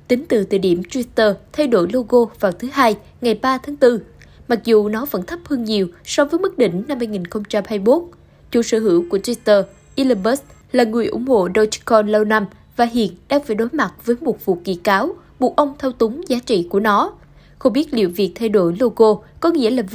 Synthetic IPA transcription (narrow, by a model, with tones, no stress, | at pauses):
t̪ï˨˦ŋ̟t̪ɨ˨˩t̪ʰḭ˧˨jɗi˧˩əmt̪wi˦˥t̪əː˧˩t̪ʰa˧jɗo˧˩jlo˧ɣo˧vaː˨˩wt̪ʰɨ˨˦ɦaː˧j | ŋa˨˩jɓaː˧t̪ʰaː˨˦ŋt̪ɨ˧ | ma˨˩k̚zṵ˨nɔ˨˦və̰˧˥nt̪ʰə˦˥p̚hɨː˧əŋɲi˨˩əwsɔ˨˧vəː˨˦jmɨ˦˥k̚ɗḭ̈˧˩˨ŋ̟na˧mːa˧jŋi˨˩nxə˧wŋ͡mt͡ɕa˧mhaː˧jmo˦˥t̚ | t͡ɕṵ˧˨sɨ̰˧˨hɨ̰˧˩əwku˧˩ət̪wi˦˥t̪əː˧˩ | ʔi˧lə˧mɓə˦˥s | laː˨˩ŋɨ̰˨˩əjʔʊ̰˧˩˦ŋ͡mho̰˧˨ɗo˧t͡ɕkɔ˧nlə˧wna˧m | vaː˨˩ɦḭ˧˨ənɗa˧˩faː˧˩jɗo˨˦jma˨˩t̚vəː˨˦jmo˨˩t̚vṵ˨˩kḭ˧˩kaː˨˦w | ɓu˨˩k̚ʔə˧wŋ͡mt̪ʰɛ˧wt̪ʊ˨˦ŋ͡mzaː˨˦t͡ɕḭ˧˨ku˧˩ənɔ˨˦ | xə˧ŋ͡mɓi˦˥ət̚lḭ˧˨əwvi˨˩ək̚t̪ʰa˧jɗo˧˩jlo˧ɣo˧kɔ˨˦ŋḭ˧˥əlaː˨˩v